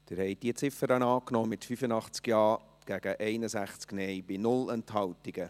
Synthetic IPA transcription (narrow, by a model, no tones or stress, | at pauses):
d̥ɪɾhɛjd̥iət͡sɪfəɾənɑːknɔːmɪtfyfənɑχt͡skjɑː | ɡ̥æɡ̥əʔɛɪnəsæχt͡sknɛjbinʊlɛnt̪hɑltiɡ̥ə